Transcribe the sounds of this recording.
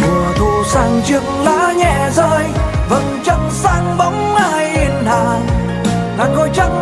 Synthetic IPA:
mɨ˨˩ət̪ʰu˧˩saː˧ŋt͡ɕɨ˧˩ŋlaː˧˥ɲɛ˧˩zəː˧jvə̰˧˩nt͡ɕə˧ŋsaː˧ŋɓə˨˦ŋ͡maː˧˩jʔi˧nhaː˧˩ | naː˨˧˩kɔ˧˦jt͡ɕə˧˦

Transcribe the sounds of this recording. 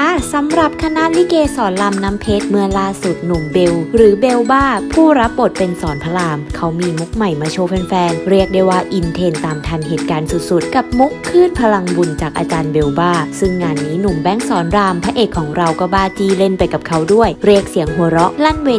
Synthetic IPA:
a˥˩sa˨˦mɾa˨˩p̚kʰa˧na˦˥ʔli˦˥keː˧sɔː˩˦nla˧mnaː˦˥mpʰeː˦˥t̪̚mɯ˧əlaː˥˩su˨˩t̪̚nu˨˩mbe˧wɾɯː˩˦be˧wbaː˥˩pʰuː˥˩ɾa˦˥p̚bo˨˩t̪̚pe˧nsɔː˩˦npʰa˧laː˧mkʰa˦˥wmiː˧mu˦˥k̚ma˨˩jmaː˧t͡ɕʰoː˧pʰe˧nfɛː˧nɾi˥˩ək̚da˥˩jwaː˧˩ʔi˧nt̪ʰeː˧nt̪aː˨˩mt̪ʰa˧nɦeː˨˩t̪̚kaː˧nsu˨˩t̪̚su˨˩t̪̚ka˨˩p̚mu˦˥kʰːɯː˥˩npʰa˧la˧ŋbu˧nt͡ɕaː˨˩k̚ʔa̰ː˧t͡ɕaː˧nbe˧wbaː˥˩sɯ˥˩ŋːaː˧nːiː˦˥nu˨˩mbɛ˧˥˩ŋsɔː˩˦nɾaː˧mpʰaː˧ʔeː˨˩kʰːɔː˩˦ŋɾa˧wkɔː˥˩baː˧˩t͡ɕiː˧le˧˩npa˧jka˨˩p̚kʰa˦˥wdu˥˩əjɾi˥˩ək̚si˩˦əŋɦoː˧ɾɔ˦˥ʔla˥˩nweː˧

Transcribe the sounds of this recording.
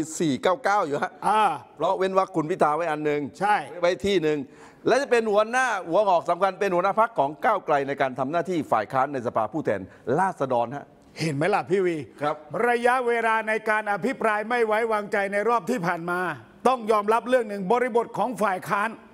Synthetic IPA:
siː˨˩kaː˥˩wkaː˥˩wjuː˨˩ha˦˥ʔʔaː˧˩pʰɾɔ˦˥we˦˥nwa˦˧˥kʰːu˧˩npʰi˦˥t̪ʰːaː˨˦wa˦˥jʔa˧nːɯ˧ŋt͡ɕʰa˥˩jwa˦˥jt̪ʰiː˥˩nɯ˨˧ŋ | lɛː˦˥wt͡ɕa˨˩pe˧nhu˨˦ɐnaː˥˩hu˩˦əʔɔː˨˩k̚sa˨˦mkʰa˧npe˧nhu˧˦na˦˥pʰa˦˥kʰːɔː˩˦ŋkaː˥˩wkla˧jna˧jkaː˧nt̪ʰa˧mnaː˥˩t̪ʰiː˥˩fa̰ː˨˩jkʰaː˦˥nːa˧jsa˧pʰaː˧pʰuː˥˩t̪ʰɛ̰ː˨˩n | laː˥˩t̪̚sa˧dɔː˧nha̰˦˥ʔ | he˨˦nma˦˥jla˧˩pʰiː˥˩wiː˧kʰa˦˥p̚ɾa˧ja˦˥ʔweː˧laː˧na˧jkaː˧nʔa˧pʰi˦˥pɾaː˧jma˥˩jwa˦˥jwaː˧ŋt͡ɕa˧jna˧jɾɔː˥˩p̚t̪ʰiː˥˩pʰaː˨˩nmaː˧ | t̪ɔ˥˩ŋjɔː˧mɾa˦˥p̚ɾɯ˥˩əŋnɯ˨˩ŋbɔː˧ɾi˧bo˨˩t̪̚kʰɔː˩˦ŋfaː˨˩jkʰaː˦˥n

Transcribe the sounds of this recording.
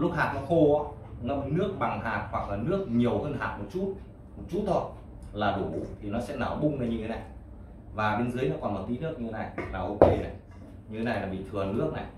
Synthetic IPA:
lʊ˦˥k̚haː˨˩nɔ˨˦xo˧ʔaː˨˦ | ŋə˧mnɨ˦˥ək̚ɓa˨˩ŋɦaː˨˩t̚hwa˨˩k̚laː˨˩nɨ˦˥ək̚ɲi˨˩əwhəː˧nɦaː˨˩t̚mo˨˩t̚t͡ɕu˦˥t̚ | mo˨˩t̚t͡ɕu˦˥t̚t̪ʰo˧j | laː˨˩ɗu˧˩˨t̪ʰi˨˩nɔ˨˦sɛ̰˧˥na̰ː˧˩ɓʊ˧ŋ͡mə˧˩jɲɨ˧t̪ʰe˨˦na˨˩j | vaː˨˩ɓe˧nzɨ˨˦əjnɔ˨˦kɔ˨˩nmɔ˨˩t̪i˨˦nɨ˦˥ək̚ɲɨ˧t̪e˨˦na˨˩jlaː˨˩ʔo˧ke˧na˨˩j | ɲɨ˧e˨˦na˨˩jlaː˨˩ɓḭ˧˨˩t̪ʰɨ˨˩ənɨ˦˥ək̚na˨˩j

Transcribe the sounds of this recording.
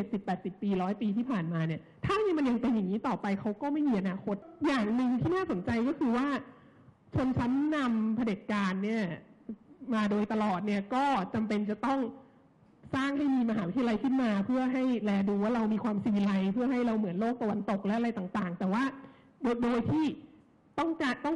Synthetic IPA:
t͡ɕe˨˩si˨˩pːɛː˨˩t̪̚si˨˩pːiː˧ɾɔː˦˥jpiː˧t̪ʰiː˥˩pʰaː˨˩nmaː˧ni˥˩ɐt̪ʰaː˥˩niː˥˩ma˧nja˧ŋpe˧nja˨˩ŋːiː˦˥t̪ɔː˨˩pa˧jkʰa˦˥wkɔː˥˩ma˥˩jmiː˧ʔa˧naː˧kʰo˦˥t̪̚jaː˨˩ŋnɯ˨˧ŋt̪ʰiː˥˩naː˥˩so˩˦nt͡ɕa˧jkɔː˥˩kʰɯː˧waː˥˩ | t͡ɕʰo˧nt͡ɕʰa˦˥nːa˧mpʰa˧de˨˩t̪̚kaː˧nːi˥˩ɐ | maː˧doː˧jt̪a˧lɔː˨˩t̪̚ni˥˩ɐkɔː˥˩t͡ɕa˧mpe˧nt͡ɕa˨˩t̪ɔ˥˩ŋ | saː˥˩ŋha˥˩jmiː˧ma˧ɦaː˩˦wi˦˥i˧a˧la˧jkʰɯ˥˩nmaː˧pʰɯ˥˩ɐɦa˥˩jlɛː˧duː˧waː˥˩ɾa˧wmiː˧kʰwaː˧msiː˧la˧jpʰɯ˥˩ɐɦa˥˩jɾa˧wmɯ˩˦ənloː˥˩k̚t̪a˧wa˧nt̪o˨˩k̚lɛ˦˥ʔa˧ɾa˧jt̪aː˨˩ŋt̪aː˨˩ŋt̪ɛː˨˩waː˥˩ | doː˧jdoː˧jt̪ʰiː˥˩ | t̪ɔ˥˩ŋkaː˧t̪ɔ˥˩ŋ

